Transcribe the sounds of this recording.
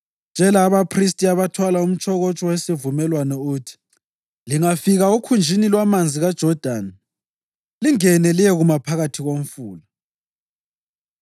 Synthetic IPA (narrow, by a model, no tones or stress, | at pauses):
nd͡ʒʱɛlaːβapʰris̬tʼiaβatʰwalaum̩t͡ʃʼʰɔɣɔt͡ʃʼɔwesivumɛlwanɛuːtʰi̥ | liŋafiɣaukʰund͡ʒʱinilwamand͡zʱiɣad̥ʒ̥ʱɔd̥ʱaːn | liŋɛnɛlijɛɣumapʰaɣatʰiɣom̩fuːla